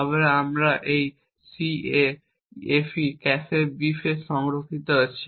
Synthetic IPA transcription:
ɔβeɾamɾaʔej | sie | efikɛsebifeʃɔŋɾokʰːit̪oet͡ɕʰi

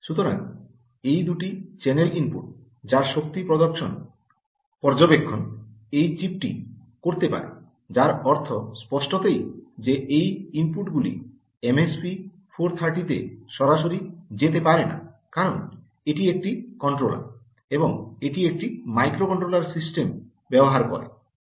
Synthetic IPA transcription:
ʃut̪oɾa̰ŋ | ejd̪uʈit͡ɕenelimpṵʈ̚ | d͡ʑaɾʃok̚t̪ipɾod̪okʃon | pɔɾd͡ʑobekʰːonejt͡ɕip̚ʈḭ | koɾt̪epa̰ɾḛ | d͡ʑaɾɔɾt̪ʰospɔʃʈot̪ejd͡ʑeʔejimpuʈɡulḭ | emespi | fʰoɾt̪ʰaɾʈit̪ḛʃɔɾaʃoɾid͡ʑet̪epaɾena̰ | kaɾon | eʈiek̚ʈikɔɳʈɾola̰ | eboŋeʈiek̚ʈimajkɾokɔɳʈɾolaɾsisʈem | bɛboɦaɾkɔ̰ɾḛ

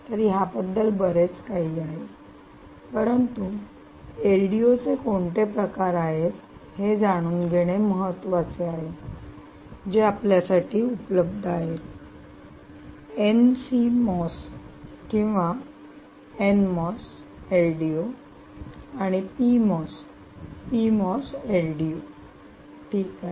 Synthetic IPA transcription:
t̪əɾiːɦabəd̪ːəlbəɾet͡skaɦiaɦe | pəɾənt̪u | elɖiot͡sekoɳʈepɾəkaɾaɦet̪hed͡zaɽ̃uːnɡʱeɽ̃eməɦət̪ːʋat͡seaɦe | d͡ʑeapljasaʈʰiːupləb̚d̪ʱaɦet̪ | ensimɔskĩw̃ʋa | enmɔs | elɖio | aɽ̃ipimɔs | pimɔseɾɖio | ʈʰiːka

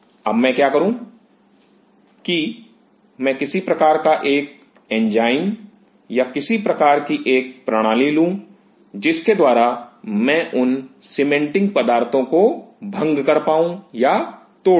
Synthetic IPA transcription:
ɐbmɛ̃kjaːkɐɾũː | ki | mɛ̃kɪsipɾɐkaːɾkaʔeːk̚ | ɛ̃ːnd͡ʒaːɪn | jakɪsipɾɐkaːɾkiʔeːk̚pɾɐɽ̃aːlilũː | d͡ʒɪsked̪waːɾamɛ̃ːʔʊn | sɪmẽɳʈɪ̃ŋɡ̚pɐd̪aːɾt̪õkobʱɐ̃ŋɡkɐɾpaːũja | t̪oː

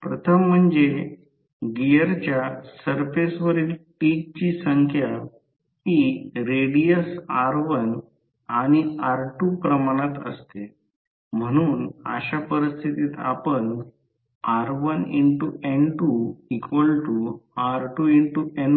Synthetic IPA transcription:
pɾət̪ʰəm̤ːəɳd͡ze | ɡijəɾt͡ɕjasəɾfesʋəɾiːlʈik̚t͡ɕiːsəŋkʰja | hiɾeɽijəsaɾʋən | aɽ̃iaɾʈupɾəmaɽ̃at̪ə̰st̪e | m̤əɽ̃uːnə̰ɕapəɾist̪ʰit̪iːt̪a̰pən | aɾʋəniɳʈueɳʈuikʋəlʈuaɾʈuiɳʈuen

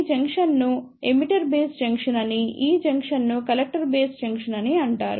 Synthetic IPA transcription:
d͡ʒɐŋkʂɐnnu | emiʈɐɾbeːsd͡ʒɐŋkʂɐnɐniiːd͡ʒɐŋkʂɐnːukɐlɐk̚ʈɐɾbeːsd͡ʒɐŋkʂɐnɐniɐɳʈa̰ːɾu

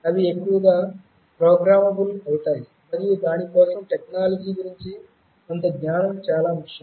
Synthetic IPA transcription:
ɐʋiekːuʋɐɡa | pɾoːɡɾaːmɐbulɐwuʈ̪aːji | mɐɾijud̪aːnipoːsɐmʈeknaːlɐd͡ʒiːɡuɾiɲt͡ʃi | kont̪ɐɡɲaːnɐmt͡ʃaːlaːmukjɐm

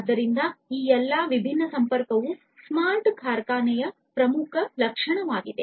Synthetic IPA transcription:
d̪ːɐɾind̪ɐiːɛlːaːʋibʱinːɐsɐmpɐɾkɐʋu | smaːɾʈkʰaːɾkaːnɛjɐ | pɾɐmukʰɐlɐkʂɐɳɐʋaːɡid̪e

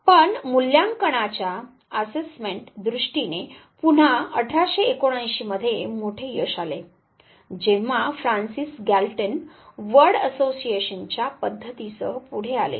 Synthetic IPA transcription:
pəɳmuljaŋkəɽ̃at͡ɕja | əsesmẽɳʈd̪ɾuʂʈinepuɳ̤aəʈʰaɕeːkoɽ̃ãjɕiməd̪ʱːjemoʈʰejəʂale | d͡ʑeʋ̤afɾansisɡælʈənʋəɾɽəsosieɕənt͡ɕjapəd̪ʱːət̪isəɦəpuɽ̤ea̰lḛ

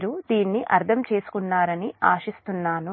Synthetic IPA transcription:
ɾud̪iːnːiʔɐɾd̪ʰʱɐmt͡ʃe̞ːsu̥kunːaːɾɐniaːʃist̪unːaːnu

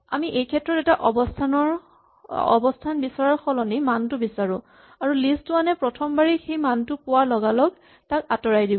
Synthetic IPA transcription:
a̰miʔejkʰɛtɹɔtɛtaʔɔbɔstʰanɔɹ | ɔ̰bɔstʰanbisaɹaɹxʰɔlɔnimantʊbisaɹʊ̰̃ | aɹulistʊanɛpɹɔtʰɔmbaɹixejmantʊpʊwalɔɡalɔɡ | takatɔɹajdibɔ

